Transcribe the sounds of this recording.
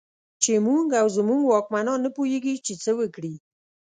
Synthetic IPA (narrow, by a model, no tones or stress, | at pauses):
t͡ʃemuŋɡawzmuɡwɑkmanɑnːəpoheɡit͡ʃet͡səwəkɽi